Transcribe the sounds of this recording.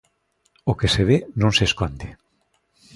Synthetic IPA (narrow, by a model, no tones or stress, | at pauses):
okeseβ̞enõŋseskond̪e